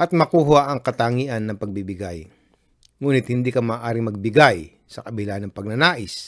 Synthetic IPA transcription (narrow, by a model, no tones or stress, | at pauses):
ʔɐt̪̚mɐkuːɦaʔɐŋkɐt̪aːŋiːʔɐnːɐŋpɐɡ̚bibɪɡaj | ŋuːnɪt̪̚hɪnd̪iːkɐmaːʔaːɾɪŋmɐɡ̚bɪɡaj | sɐkɐbɪlanɐŋpɐɡ̚nɐnaːʔɪs